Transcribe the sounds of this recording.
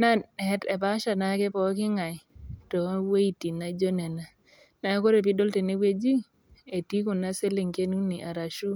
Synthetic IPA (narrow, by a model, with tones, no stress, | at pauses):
na˦ɛ˨˦te˨ba˦ʃa˨na˨˦ke˦pɔ˦kɪ˦ŋa˨tɔ˨we˦i˨ti˨na˦d͡ʒo˦nɛ˨na˨ | na˨˦ko˦ɾe˨p̬i˦do˦lte˨ni˦we˦d͡ʒi˦ | e˨ti˦ku˨na˦se˦le˨ŋke˦nu˦ni˨ʔa˨ɾa˨ʃu˦